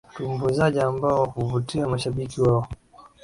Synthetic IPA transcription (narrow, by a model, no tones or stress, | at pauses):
tumbuzaʄiambaɔhuvutiamaʃaɓikiwaɔ